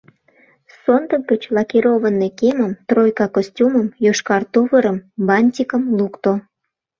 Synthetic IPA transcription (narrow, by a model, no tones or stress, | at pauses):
sond̪ək̚ɡət͡ɕlɑkiɾoβənːekeməmt̪rojkɑkosʲtʲuməmjøʃkɑrt̪uvəɾəmbɑnʲtʲikəmlukt̪o